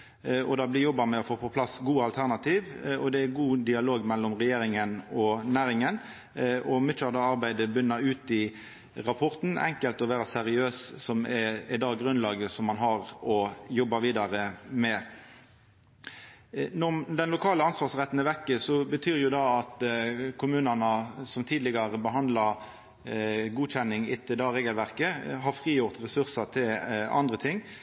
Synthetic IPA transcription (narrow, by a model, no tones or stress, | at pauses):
ɔd̪ɑːblɪjɔbːɑmɛɔfoːpʰɔpʰlɑsɡuːɑlt̪ʰæʁnɑt̪ʰiːʋɔd̪ɛæɡuːd̪ɪɑloːɡmɛlːɔmʁɛjeːɾɪŋənɔnæːɾɪŋən | ɔmʏt͡ʃːəɑd̪ɑɑɾbæɪd̪əbʏnːəʉːt̪ɪ | ɾɑpʰɔʁt̪n̩ʔɛ̰ŋkəlt̪ɔʋæːɾəsɛɾɪøːssɔmɛɪd̪ɑːɡɾʉnlɑːɡəsɔmːɑnɦɑʁɔjɔbːɑʋiːd̪ɑʁəmɛ | nɔd̪ɛnlʊkʰɑːləɑnsʋɑːʁsʁɛt̪ːnəʋɛkːəsɔbət̪ʰyːʁjʊd̪ɑɑt̪kʰʊmʉːnənəsɔmt̪ʰiːd̪lɪɡɑʁəbəɦɑnd̪lɑ | ɡuːçɛnːɪŋɪt̪ʰːəd̪ɑʁeːɡəlʋæʁkəɦɑɾfʁiːjʊʁt̪ʁɛsʉʁsɑt̪ʰɪlɑ̰nd̪ʁət̪ʰɪŋː